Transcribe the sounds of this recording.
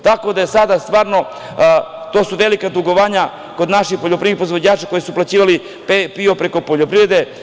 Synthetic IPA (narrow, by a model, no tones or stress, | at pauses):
t̪ako̞d̪ajesad̪ast̪ʋaːɾno̞ | t̪o̞ːsuʋe̞likad̪uɡo̞ʋaːɲa | ko̞d̪naʃixpoʎopɾiɾipɾozʋod͡ʑaːt͡ʃako̞jisuplˠat͡ɕiːʋali | pepio̞pɾe̞ko̞po̞ʎopɾiʋɾe̞d̪e̞